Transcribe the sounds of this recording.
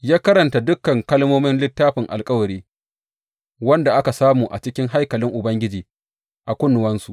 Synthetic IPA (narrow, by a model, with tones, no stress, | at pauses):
jaː˦kɐ˦ɾɐ˨nta˨dʊ˦kːɐ˨ŋkɐ˦lmoː˦mɪ˦nlɪ˦tːaː˦ɸɪ˨ŋʔa̰˨lkʼɐ˦wɐ˨ɾiː˦ | wɐ˦nda˨ʔa˦ka˨saː˦muː˨ʔa˨t͡ʃɪ˦kʲɪ˦ŋɦa˦jkɐ˨lɪ˦ŋʔʊ˨bɐ˦ŋɡʲɪ˦d͡ʒiː˨ | ʔa˨kʷʊ˦nːʊ˨wɐ˦nsu˨ʔ